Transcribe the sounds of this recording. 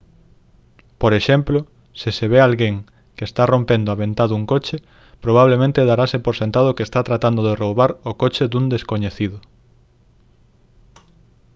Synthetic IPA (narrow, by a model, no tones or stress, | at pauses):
poɾeʃemplo | sɪseβealɣeŋ | keːst̪arompend̪oaβẽnt̪aðuŋkot͡ʃe | pɾoβ̞aβ̞lemẽnt̪eðaɾasepoɾsent̪að̞ʊkest̪at̪ɾat̪and̪oðeroβaɾokot͡ʃed̪und̪eskoɲeθiðʊ